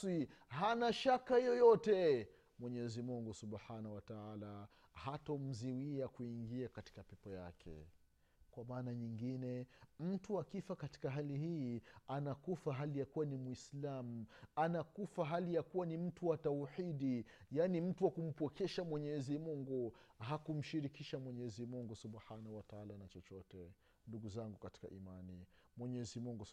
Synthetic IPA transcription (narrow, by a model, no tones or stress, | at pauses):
ihanaʃakahijɔjɔtɛ | mwɛɲɛzimuŋɡusubħanawataala | hatɔm̩ziwiakuiŋɡiakati̥kapɛpɔja̰kʰɛ̰ | kwamaːnaɲiŋɡinɛm̩tuwakifakati̥kaɦalihiːanakufaɦalijakuwanimwislamuanakufaɦalijakuwanim̩tuwatauħiɗijanim̩tuwakum̩pɔkɛʃamwɛɲɛzimuŋɡuɦakum̩ʃiɾikiʃamwɛɲɛzimuŋɡusubhanawataalanat͡ʃɔt͡ʃɔtɛ | nduɡuzaŋɡukati̥ka̰ʔimanimwɛɲɛzimuŋɡu